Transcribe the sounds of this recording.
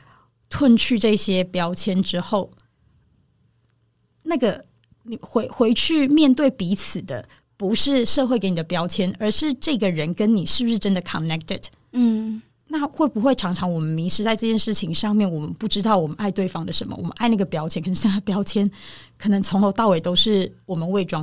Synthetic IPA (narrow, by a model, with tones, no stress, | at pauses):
t̪ʰwə˥˧˨nt͡ɕʰy˥˧ʈ͡ʂɤ˥˩iɕjɛ˥pjɑ˥ʊt͡ɕʰjɛ˥nʈ͡ʂɻ̩˥xo˥˩ʊ | na˥˩ɡə˩ | ni˨˩xwe˧˥ɪxwe˧˥ɪt͡ɕʰy˥˩mjɛ˥˧nt̪we˥˩ɪpi˧˥t͡s̩ʰ˨˩d̪ə̰˦ | pu˧˥ʂɻ̩˥˧ʂɤ˥˧xwe˥˩ke˧˦ni˨˩d̪ə˩pjɑ˥ʊt͡ɕʰjɛ˥nə˞˧˥ʂɻ̩˥˧ʈ͡ʂɤ˥˩ɡə˩ɻə˧˦nkə˦˥nni˨˩ʂɻ̩˥˩bu˧ʂɻ̩˥˩ʈ͡ʂə˦nd̪ə˨kʰə˨nɛ˥k̚t̪ə̰˨˩d̩˥˩ | na˥˩˨xwe˥˩bu˧˦xwe˥˩ɪʈ͡ʂʰɑ˧˥ŋʈ͡ʂʰɑ˧˥ŋwɔ˨˩mə˦nmi˧˥ʂɻ̩˧t͡sa˥˧ɪʈ͡ʂɤ˥˧t͡ɕjɛ˥˧nʂɻ̩˥˩t͡ɕʰi˧˥ŋʂɑ˥˧ŋmjɛ˥˩nwɔ˨˩mə˨˦npu˥˩ʈ͡ʂɻ̩˥t̪ɑ˥˩ʊwɔ˨˩mə˦na˥˧ɪt̪we˥˩ɪfɑ˥ŋd̪ə˨ʂə̰˧˦nmə̰˨wɔ̰˨˩mə̰˦nʔa˥˧ɪna˥˩ɡə˩pjɑ˥ʊt͡ɕʰjɛ˥nkʰə˨˩ʂ̩˥na˥˩pjɑ˥ʊt͡ɕʰjɛ˥nkʰɤ˨˩nə˧˦ŋt͡sʰo˧˥ŋxo˧˥ʊt̪ɑ˥˩ʊwe˨˩ɪt̪o˥ʊʂɻ̩˥˩wɔ˨˩mə˦nwe˥˩ɪʈ͡ʂwɑ˥ŋ